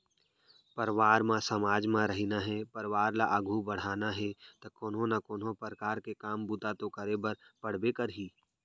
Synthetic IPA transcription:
pəɾʋaːɾmãsɐmaːd͡ʒmãɾɐɦinaɦɛpəɾʋaːɾlaʔəɡʱubɐɽ̤aːnaɦɛt̪ɐkoːnɦõnakoːnɦõpəɾəkaːɾkekaːmbut̪at̪okəɾebɐɾpɐɽ̤bekəɾɦiː

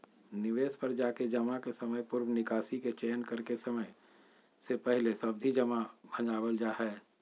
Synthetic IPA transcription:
nɪʋeːspəɾd͡ʒaːked͡ʒɐmãkesɐməjpʊɾwnɪkaːsiket͡ʃeːnkɐɾkesɐməj | sepɛɦlesɐbd̪ʱid͡ʒɐmabʱɐ̃ɲd͡ʒaːbəld͡ʒaːɦɛː

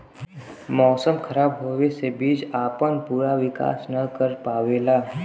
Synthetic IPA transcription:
mɔːsəmkʰəɾaːbɦoːʋesebiːd͡ʒaːpənpuːɾaʋɪka̰ːsnɐkəɾpaːʋeːlaː

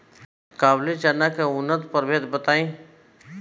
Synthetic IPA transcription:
kaːblit͡ʃanakeʊnːət̪pəɾʋet̪bət̪aːĩː

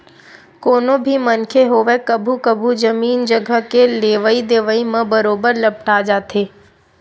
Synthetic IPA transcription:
koːnõbʱimɐnkʰeɦoːʋekɐbʱukəbʱud͡ʒɐmiːnd͡ʒəɡʱəkeleːʋəid̪eːʋəimɐ̃bɐɾoːbəɾlɐp̚ʈaːd͡ʒaːt̪ʰeː

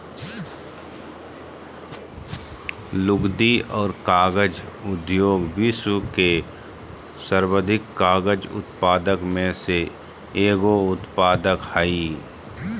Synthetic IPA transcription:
lʊɡd̪iɔːɾkaːɡəd͡ʒʊd̪joːɡbisuke | səɾwəd̪ʱɪkːaːɡəd͡ʒʊ̰t̪paːd̪əkmẽse | eːɡoʊt̪paːd̪əkhaiː

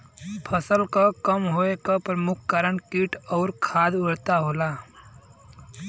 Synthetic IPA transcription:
pʰəsəlkakəmɦoekapɾəmʊkʰːkəɾəɳkiːʈɔʊɾkʰaːd̪ʊɽt̪aɦoːla

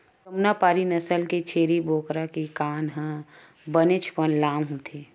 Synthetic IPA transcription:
kɐmnapaːɾinɐsəlket͡ʃʰeːɾibʱoːkɾakikaːnɦə̃ | bənet͡ʃʰpənlaːmɦũt̪ʰi

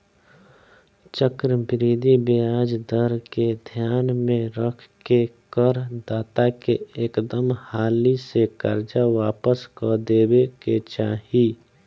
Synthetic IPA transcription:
t͡ʃəkɾəmbɪɾiːd̪ibeaːd͡ʒd̪əɾked̪ʱjaːnmẽɾəkʰkekəɾd̪aːt̪akeeːkd̪əmhaːlisekəɾd͡ʒaʋaːpəskɔd̪eːweket͡ʃaːɦi

